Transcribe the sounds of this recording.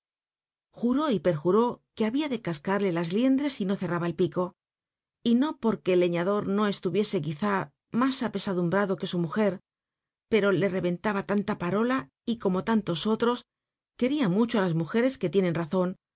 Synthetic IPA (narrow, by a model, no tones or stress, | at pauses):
xuɾo̞ipe̞ɾxuɾo̞keaβiaðe̞kaskaɾle̞lazlje̞nd̪ɾe̞sino̞θe̞raβaelpiko̞ | ino̞po̞ɾke̞le̞ɲaðo̞ɾno̞e̞st̪uβje̞se̞kiθa | masape̞saðumbɾaðo̞ke̞sumuxe̞ɾ | pe̞ɾo̞le̞re̞βe̞nt̪aβat̪ant̪apaɾo̞la | iko̞mo̞t̪ant̪o̞so̞t̪ɾo̞s | ke̞ɾiamut͡ʃoalazmuxe̞ɾe̞ske̞t̪je̞nẽ̞nraθo̞n